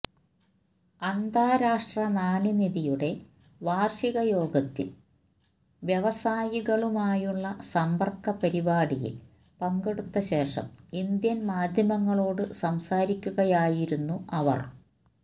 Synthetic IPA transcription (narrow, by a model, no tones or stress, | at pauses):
ɐnd̪ʱaːɾaːʂʈrɐnaːniniðijuɽe̞ | ʋaːrʂiɣɐjo̞ːɡɐt̪ːḭ | ʋjeʋɐsaːjiɣɐɭumaːjuɭːɐsɐmbɐrkːɐpɐɾibaːɽijḭl | pɐŋɡe̞ɽut̪ːɐɕe̞ːʂɐ̰mind̪jɐnmaːd̪ʱjɐmɐŋːɐɭo̞ːɽɨsɐmsaːɾikʲːuɣɐjaːjiɾunːuɐʋɐ̰r